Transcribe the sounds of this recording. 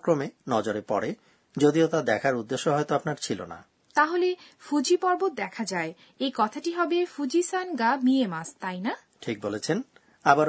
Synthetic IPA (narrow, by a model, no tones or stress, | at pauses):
kɾomenɔd͡ʑoɾepɔɾe | d͡ʑod̪iot̪ad̪ɛkʰaɾud̪ːeʃːoɦɔet̪oapnaɾt͡ɕʰilo̰na̰ | t̪aɦolefud͡ʑipɔɾbot̪̚d̪ɛkʰad͡ʑae | ejkɔt̪ʰaʈiɦɔbefud͡ʑisanɡamiemast̪ajna | ʈʰik̚bolet͡ɕʰen | abaɾ